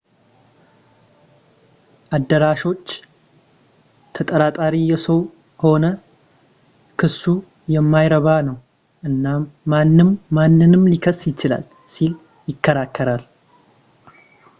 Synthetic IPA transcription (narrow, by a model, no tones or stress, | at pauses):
ʔad̪ːəɾaʃo̞t͡ʃː | t̪ʰət̪ʼəɾat̪ʼaɾijɛsəw | ho̞nə | kʰɨsːu | jɛmːajɾəβanəw | ʔɨnːamːanːɨmːanːɨnɨmlikʰəsjɪt͡ʃɪla̰l | sil | jɪkːəɾakʰːəɾal